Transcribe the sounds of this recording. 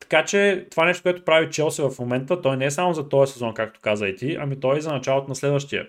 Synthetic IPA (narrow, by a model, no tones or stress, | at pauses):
t̪ɐ̥kat͡ʃɛt̪ovanɛʃt̪o̥koɛt̪o̥pɾavit͡ʃɛlˠsivɐfmomɛnt̪ət̪ɔjnɛɛsamozɐt̪ɔɛsɛzɔnkakt̪o̥kazəit̪iʔɐ̰mit̪ɔjɛzɐnɐt͡ʃalˠot̪onɐslɛd̪vəʃt̪iə̰